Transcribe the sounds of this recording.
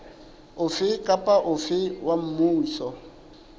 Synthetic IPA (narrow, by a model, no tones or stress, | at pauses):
ʊfɪkʼapʼaʔʊfɪwam̩muːsɔ